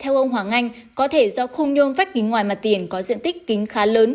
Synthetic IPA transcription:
t̪ʰɛ˧wʔə˧wŋ͡mɦwaː˨˩ŋa˧jŋ̟ | kɔ˨˦t̪ʰe˧˩zɔ˧xʊ˧wŋ͡mɲo˧nfa˦˥k̟̚ki˨˦ŋwaː˨˩jmaː˨˩t̪i˨˩ənkɔ˨˦zḭ˧˨ənt̪ï˦˥k̟̚kï˨˦ŋ̟xaː˨˦ləː˨˦n

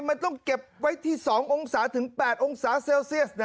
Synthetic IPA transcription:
ma˧nt̪ɔ˥˩ŋke˨˩p̚wa˦˥jt̪ʰiː˥˩sɔː˩˦ŋʔo˧ŋsaː˩˦˥t̪ʰɯ˩˦ŋpɛː˨˩t̪̚ʔo˧ŋsaː˩˦seː˧wsi˥˩əts̚n

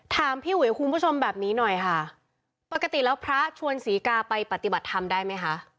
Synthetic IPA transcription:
t̪ʰaː˧mpʰiː˥˩wu˨˩˦a˦˩kʰu˧nbu˥˩o˧mbɛː˨˩p̚niː˦˥nɔ˨˩jkʰa˥˩ | pa˨˩kːa˧t̪i˨˩lɛː˦˥wpʰɾa˦˥t͡ɕʰu˧ənsiː˩˦kaː˧pa˧jpa˨˩t̪i˨˩ba˨˩t̪ʰːa˧mdaː˥˩jma˦˥jkʰa˦˥ʔ

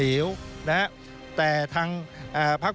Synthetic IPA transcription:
i˩˦əwna˦˥ | t̪ɛː˨˩t̪ʰaː˧ŋʔaː˨˧˩pʰa˦˥k̚

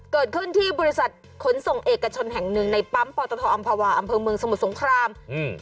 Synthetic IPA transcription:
kɤː˨˩t̪̚kʰɯ˥˩nt̪ʰiː˥˩bɔː˧ɾi˦˥sa˨˩t̪̚ | kʰo˩˦nso˨˩ŋʔeː˨˩kːa˧t͡ɕʰo˧nɦɛ˨˩ŋnɯ˨˧ŋna˧jpa˦˥mpɔː˧t̪ɔː˧t̪ʰɔː˧ʔa˧mpʰaː˧waː˧ʔa˧mpʰɤː˧mɯ˧əŋsa˧m˨˩t̪̚so˩˦ŋkʰɾaː˧m

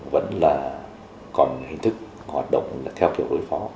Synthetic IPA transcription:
və̰˧˥nlaː˨˩ | kɔ˨˩nhï˨˩ŋ̟t̪ʰɨ˦˥k̚ | hwaː˨˩t̚ɗə̰˧˨wŋ͡mlːt̪ʰɛ˧wki˨˩wɗo˨˦jfɔ˨˦

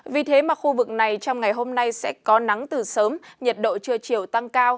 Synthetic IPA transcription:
vi˨˩t̪ʰe˨˦maː˨˩xu˧vɨ˨˩k̚na˨˩jt͡ɕɔ˧wŋ͡mŋa˨˩jɦo˧mna˧jsɛ̰˧˥kɔ˨˦na˨˦ŋt̪ɨ˨˩səː˨˦mɲə˨˩t̚ɗo̰˧˨t͡ɕɨ˧ət͡ɕi˨˩əwt̪a˧ŋkaː˧w

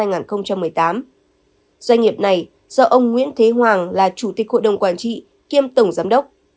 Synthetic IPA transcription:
aː˧jŋaː˨˩nxə˧wŋ͡mt͡ɕa˧mːɨ˨˩əjt̪aː˨˦m | z̥wa˧ŋŋi˨˩əp̚na˨˩j | z̥ɔ̰ː˧ʔə˧wŋ͡mŋḭ˧˥ənt̪ʰe˨˦ɦwaː˨˩ŋlaː˨˩t͡ɕu˧˩t̪i˨˩k̚ho̰˧˨jɗə˨˩wŋ͡mkwaː˧˩nt͡ɕḭ˧˨ | ki˧əmt̪ə˧˩wŋ͡mzaː˨˦mɗə˦˥wk͡p̚

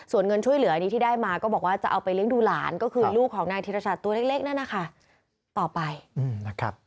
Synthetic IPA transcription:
su˨˩ənŋɤ˧nt͡ɕʰu˥˩əjlɯ˨˩˦ɐʔa˧niː˦˥t̪ʰiː˥˩daː˥˩jmaː˧kɔː˥˩bɔː˨˩k̚waː˥˩t͡ɕa˨ʔa˧wpa˧jlɯ˥˩əŋduː˧laː˩˦nkɔː˥˩kʰɯː˧luː˥˩kʰːɔː˩˦ŋnaː˧ŋt̪ʰiː˧ɾa˧saː˨˩t̪ːu˧leː˥˩k̚leː˥˩k̚na˥˩na˦˥kʰa˥˩ | t̪ɔː˨˩pa˧jʔɯː˨˧˩mna˥˩kʰa̰˦˥p̚

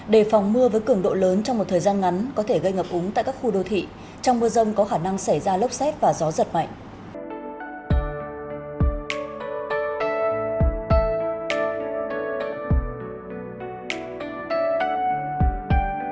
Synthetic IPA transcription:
ɗe˧˩fɔ˨˩wŋ͡mmɨ˧əvəː˨˦jkɨ˧˩əŋɗo̰˧˨ləː˨˦nt͡ɕɔ˧wŋ͡mmo˨˩t̚t̪ʰəː˨˩jzaː˧nŋa˨˦nkɔ˨˦t̪ʰe˧˩ɣə˧jŋəː˨˩p̚ʔʊ˨˦ŋ͡mt̪a̰ː˧˨kaː˦˥kxu˧ɗo˧t̪ʰḭ˧˨ | t͡ɕɔ˧wŋ͡mmɨ˧əzə˧wŋ͡mkɔ˨˦xaː˧˩na˧ŋsa˧˩jzaː˧lə˦˥wk͡p̚sɛ˦˥t̚vaː˨˩zɔ˨˦zə˨˩t̚ma̰˧˨jŋ̟

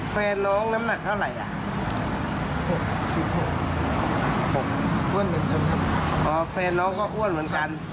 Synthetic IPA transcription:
fʰɛː˧nːɔː˦˥ŋna˦˥mna˧˩k̚t̪ʰa˥˩wɾa˨˩˦jʔa̰˨˩˧ | si˨˧˩p̚ho˨˧˩kːo˨˩k̚ʔu˧˥˩ə˨nmɯ˨˩˦ə˦nka˧n˧˩˧ʔɔː˧˩fʰɛː˧nːɔː˦˥ŋkɔː˧˩ʔu˧˥˩ə˨nmɯ˩˦ənka˧n

